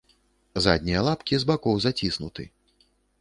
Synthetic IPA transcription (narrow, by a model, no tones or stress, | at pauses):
za̰d̪ʲnʲijɐlˠapkʲizbakɔwzat͡sʲisnut̪ɨ̰